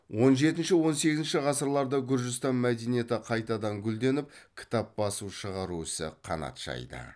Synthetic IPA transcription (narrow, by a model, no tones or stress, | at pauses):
wʔo̞nʒe̞t̪ɪnʃɪwo̞nse̞ɡʲɪznʃɪʁɑsəɾlˠɑɾd̪əɡʲʊɾʒɪst̪ɑnmæd̪e̞nije̞t̪ɪqʰɑjt̪ɑd̪ɑŋɡʲʏld̪e̞nɪp̚kʲʰɪ̥t̪ɑp̚bɑsuʃəʁɑɾuɪsɪ̰qʰɑ̰nɑ̰t̪ʒ̥ɑ̰jd̪ə̰